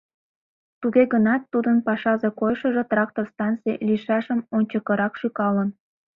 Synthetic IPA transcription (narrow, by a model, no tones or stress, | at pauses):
t̪uɣeɣənɑt̪ːud̪ənpɑʃɑzekojʃə̆ʒĕt̪rɑk̚t̪orst̪ɑnt͡siliʃɑʃə̆monʲt͡ɕəkɤ̆ɾɑkʃykɑlə̆n